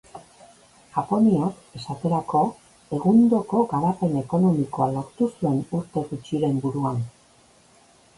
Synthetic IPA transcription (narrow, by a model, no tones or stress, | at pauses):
ʝ̥apo̞niak | e̞sat̪e̞ɾako̞ | e̞ɣund̪o̞ko̞ɣaβape̞ne̞ko̞no̞miko̞alo̞ɾt̪usue̞nuɾt̪e̞ɣut͡ʃiɾe̞mbuɾuan